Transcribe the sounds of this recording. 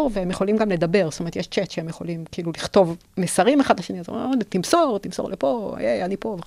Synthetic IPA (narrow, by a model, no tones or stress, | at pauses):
ʁveemjeχo̞limɡamle̞d̪abeʁst̪omeet̪jeʃt͡ʃet̪ʃeemjeχo̞̰limkiiːluliχt̪o̞vmesaʁimeχadlaʃeniazo̰et̪imsoʁt̪imsoʁlʔepo̰jejanipove